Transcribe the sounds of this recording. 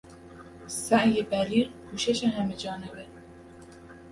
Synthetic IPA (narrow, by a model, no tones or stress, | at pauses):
sæʔjebæɾiːɾkʰuːʃeʃeɦæmed͡ʒɒːnebe